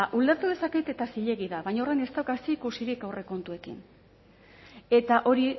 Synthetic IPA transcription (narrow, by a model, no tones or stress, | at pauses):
ʔuld̪aɾt̪uð̞e̞saket̪e̞t̪asiʎe̞ɣiðaβajɲaorajne̞st̪awɣast̪iikusiɾikawre̞ko̞nt̪ue̞kḭn | e̞t̪aʔo̞ɾi